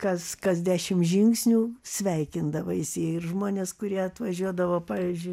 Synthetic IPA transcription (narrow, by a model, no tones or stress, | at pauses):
kɐskɐzʲd̪ʲæːʃʲɪmʒʲɪŋksʲnʲuːsʲʋʲɛɪkʲɪnd̪ɐʋɐ̰jɪsʲiːɪrʒmoːnʲeːskʊɾʲiɛɐt̪ʋɐʒʲuɔd̪ɐʋoːpɑːʋʲiːzʲd͡ʒʲʊɪ